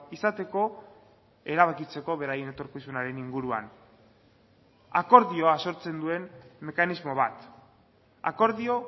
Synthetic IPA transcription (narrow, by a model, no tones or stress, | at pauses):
isat̪e̞ko̞ | e̞ɾaβ̞akit͡se̞ko̞βe̞ɾaje̞ne̞t̪o̞ɾkisunaɾe̞niŋɡuɾua̰n | a̰ko̞ɾðio̞aso̞ɾt͡se̞nd̪ue̞mːe̞kanizmo̞β̞at̪ | a̰ko̞ɾðio̞